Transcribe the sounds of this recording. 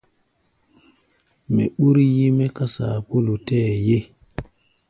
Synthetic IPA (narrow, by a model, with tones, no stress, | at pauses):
mḛ˨ɓu˦ɾji˦me˦ka˦sa˨po˦lu˨tɛ˦˨je˦